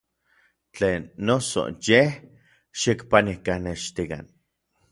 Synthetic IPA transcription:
t͡ɬeːnːoso̰jeh | ʃikpanikaneʃt̪ika̰n

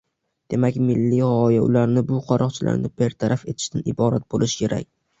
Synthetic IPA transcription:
d̪̥e̞makʲmɪlːiʁɒjaʊ̰laɾnɪbʊqʰɒɾʔɒqt͡ʃʰɪlʔa̰ɾnɪpʰeɾt̪ʰaɾʔafe̞t̪ʰɪ̥ʃt̪anɪbɒɾat̪̚bolɪʃkʲʰe̞ɾʔa̰kʲ

